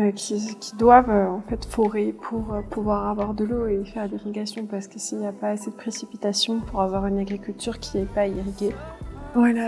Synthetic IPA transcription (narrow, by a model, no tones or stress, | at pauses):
økʲʰikʲʰi̥d̪wavøɑ̃fɛt̪foʁepʰuʁøpʰuvwaʁavwaʁd̪əloefɛʁd̪iʁiɡʲasjɔ̃paʁsə̥kəsiljapaːsed̪əpχesipit̪asjɔ̃pʰuʁavwaʁynaɡʁikʲylt̪yʁkʲʰiɛpaiʁiɡʲevwala